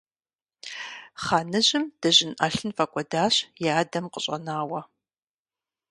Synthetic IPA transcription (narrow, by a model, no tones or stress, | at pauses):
χaːnɨʑɪmd̥ɐʑɪnʔɐɬɨnfɐkʷʼɔdaːɕjaːdɐmqəɕʼɐ̰naːwɐ